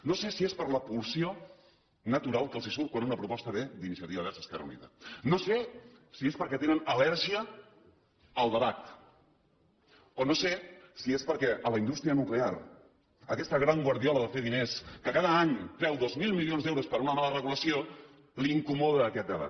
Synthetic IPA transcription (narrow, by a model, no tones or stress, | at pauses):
nosesiespəɾləpulˠsio | nət̪uɾalˠkəlˠzisuβ̚kwanunəpɾupɔst̪əβed̪inisiət̪iβəβɛɾsəskɛrə̰unḭðə̰nose | siespəɾkɛt̪enənəlɛɾʒiə | əlˠd̪əβat̪ | onosesiespəɾkɛʔələind̪ust̪ɾiənukleaɾ | əkɛst̪əɣɾaŋɡwɐɾðiɔləðəfeðineskəkaðəaɲpɾɛwðozmilˠmilionzɛwɾuspəɾunəmalərəɣuləsio | liŋkumɔðəːkɛt̪̚d̪əβa̰t̪̚